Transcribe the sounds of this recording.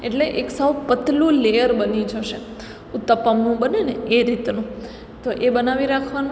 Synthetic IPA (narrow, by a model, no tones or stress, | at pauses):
eʈleʔeksəʋpət̪lũlejəɾbənid͡ʒəʃe | ũt̪ːəpamnũbəneneeɾit̪nũ | t̪oʔebənaʋiɾakʰʋan